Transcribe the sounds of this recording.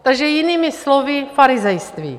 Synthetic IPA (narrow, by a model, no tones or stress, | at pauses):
t̪aɡʒɛjɪniːmɪslovɪfaɾɪzɛjst̪vḭː